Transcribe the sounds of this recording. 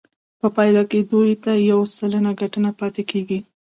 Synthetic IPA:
pəpɑjd̪ɑked̪ujt̪ajawsələnaɡaʈənapɑt̪ekeɡi

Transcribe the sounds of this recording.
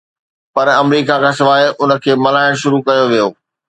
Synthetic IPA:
pɐɾɐmɾiːkakasɪʋaːeʔʊnə̆kʰeːmɐlaːɪɽ̃ʃʊɾukɐjoʋijoː

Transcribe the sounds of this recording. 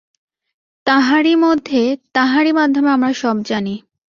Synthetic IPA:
t̪aɦaɾimod̪ʱːet̪aɦaɾimad̪ʱomeamɾaʃɔb̚d͡ʑani

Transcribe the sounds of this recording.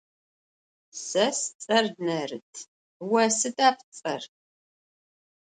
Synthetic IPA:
sɐst͡sʼɐrnɐrɨtʰ | wɐsɨdaːp̚ʰt͡sʼɐr

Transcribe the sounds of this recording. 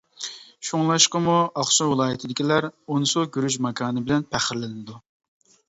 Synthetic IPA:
ʃuŋlˠɑʃqɑmuɑχʃɑwɨlˠɑːjit̪ʰɪd̪ɪkʲʰilæɾonɨsuɡʲyɾyʒmɑkʰɑːnɨbɪlɛnpʰæχɪɾlɪnnɪd̪u

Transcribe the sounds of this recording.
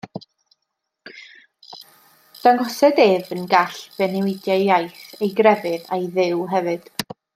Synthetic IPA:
d̥anɡɔsɛdevənɡaɬv̥ɛnɪwɪdjajajθejɡrɛvɨðajðɪwɦɛvɨd̥

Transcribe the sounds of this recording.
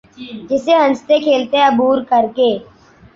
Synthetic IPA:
d͡ʒɪseːɦə̃nst̪ekʰeːlt̪eəbuːɾkəɾkeː

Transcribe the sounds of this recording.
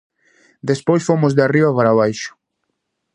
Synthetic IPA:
d̪espojsfomʊzðeariβɐpaɾaβ̞ajʃʊ̥

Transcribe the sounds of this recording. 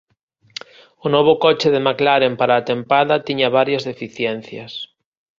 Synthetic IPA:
ʊnɔβ̞ʊkɔt͡ʃɪðemaklaɾempaɾaːt̪empaðɐt̪iɲɐβaɾjɐzðefiθjɛn̟θjɐs

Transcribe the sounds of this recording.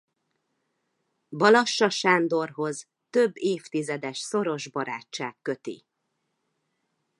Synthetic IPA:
bɒlɒʃːɒʃaːnd̪o̞rɦo̞z | t̪øbːeːft̪izɛd̪ɛʃso̞ɾo̞ʒbɒɾaːt͡ʃːaːkːø̞t̪ḭ

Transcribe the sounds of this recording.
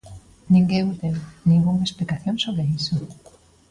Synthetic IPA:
nĩŋɡeut̪enĩŋɡuŋaesplikaθjoŋsoβɾeiso

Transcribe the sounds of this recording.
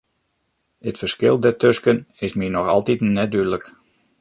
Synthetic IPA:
ətfə̥skɪlˠdɛrtʰøskənɪsminɔxɑ̰lˠtitnɛdydlək

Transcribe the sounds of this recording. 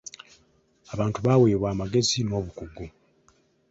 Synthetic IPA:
aβaːntuβaːweːβwaːmaɡe̞zino̞ːβukuɡu

